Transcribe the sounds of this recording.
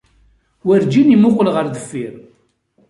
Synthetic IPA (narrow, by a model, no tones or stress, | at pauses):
wæɾd͡ʒinimʊqːəlʁəɾðəfːiɾ